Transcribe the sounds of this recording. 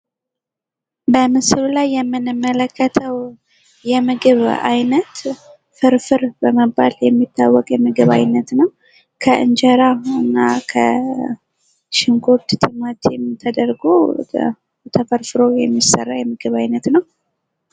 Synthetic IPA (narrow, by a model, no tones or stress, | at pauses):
bəmɨsɨlulajːɛmːɨnɨmːələkːət̪ʰəw | jɛmɨɡɨβa̰jnət̪ | fɨɾfɨɾbəməbːa̰ljɛmːit̪ʰːawːɔkʼjɛmɨɡɨβa̰jnːət̪nəw | kʰəʔɨ̰nd͡ʒəɾaɨnːakʰə | ʃɪŋkʰot̪t̪ʰɨmat̪jɛmt̪ʰəd̪əɾɡo | t̪ʰəfəɾfɨɾojɛmːisːə̰rːajɛmɨɡɨβajnət̪nəw